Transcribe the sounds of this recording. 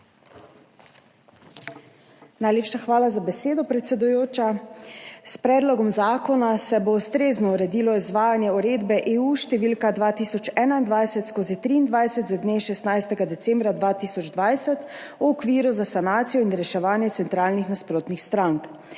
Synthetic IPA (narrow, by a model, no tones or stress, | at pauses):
najleːpʃaxʋaːlazabɛseːd̪ɔpɾɛt̪sɛd̪ujoːt͡ʃa | spɾɛːd̪lɔɡɔmzaːkɔnasɛboust̪ɾeːznɔuɾɛd̪iːlɔizʋaːjanjɛuɾeːd̪bɛʔeːuʃt̪ɛʋiːlkad̪ʋaːt̪iːsɔt͡ʃɛːnaind̪ʋajsɛt̪skoːzit̪ɾiːnd̪ʋajsɛt̪zad̪neʃɛst̪najst̪ɛɡad̪ɛtsɛːmbɾad̪ʋaːt̪iːsɔd͡ʒd̪ʋajsɛt̪uɔkʋiːɾuzasanaːt̪sijɔinɾɛʃɛʋaːnjɛt̪sɛnt̪ɾaːlnixnaspɾoːt̪nixst̪ɾaŋk